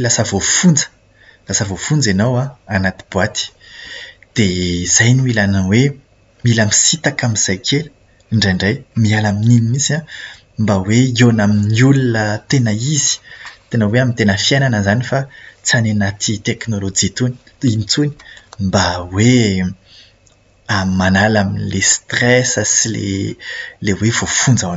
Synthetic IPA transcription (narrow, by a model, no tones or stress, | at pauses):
lasəvofund͡zə̥ | lasəvofund͡zenawaanat̪i̥b̥uwat̪i̥ | d̪̥ezajniilanəwe | milamisit̪akamiz̥ajkʰelu | ɳɖ͡ʐaɳɖ͡ʐajmialamininimisã | mbaweionaminiulunət̪enəizi̥t̪enəweamint̪enəfiajnanəzanifat͡sanenat̪ʰit̪eknolod͡ʒit̪uni̥ | init͡suni̥mbawe | ammanalaminlest̪rɛsəsilḛ | lewev̥ofund͡zaa